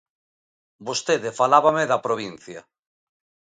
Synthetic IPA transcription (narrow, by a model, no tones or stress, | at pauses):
bost̪eðefalaβameðapɾoβ̞in̟θja